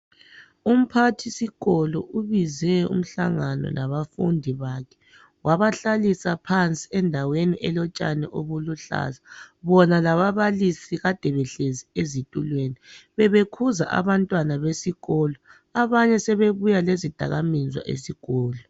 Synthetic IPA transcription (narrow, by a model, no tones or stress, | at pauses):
um̩pʰatʰisiɣɔlɔ̰uβizɛṵm̩ɬa̰ŋanɔ̰naβafṵndʱiβakʰɛ̥ | waβaɬalisapʰant͡sʼiɛndʱaweniʔɛlɔt͡ʃʼa̰nɛ̰ʔoβuluɬa̰zaβɔnalaβaβalisiɣad̥ʱɛβɛɬeziezitʼulweniβɛβekʰuza̰ʔa̰βantʼwanaβesiɣɔlɔ | aβaɲɛsɛβeβujalezid̥ʱa̰ɣamizwa̰ʔḛsiɣɔːlɔ